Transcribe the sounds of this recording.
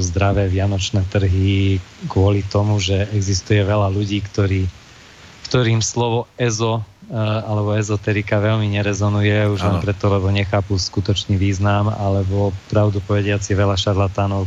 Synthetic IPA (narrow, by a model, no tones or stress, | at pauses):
zd̪ɾaʋɛːʋɪanɔt͡ʃnɛːt̪r̩ɦikʋʊɔlit̪ɔmuʒɛɛɡzist̪ujɛʋɛlaluɟiːkt̪ɔɾiː | kt̪ɔɾiːmslɔʋɔɛzɔ | alɛbɔɛzɔt̪ɛɾikaʋɛʎmiɲɛɾɛzɔnujɛuʒlɛnpɾɛt̪ɔlɛbɔɲɛxaːpuskut̪ɔt͡ʃniːʋiːznama̰lɛbɔpɾaʊd̪upɔʋɛɟɪat͡siʋɛʎaʃaɾlat̪aːnɔʊ